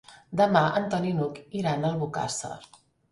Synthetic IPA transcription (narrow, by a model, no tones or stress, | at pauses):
d̪əmaʔənt̪ɔninukiɾanəlˠβuka̰sə̰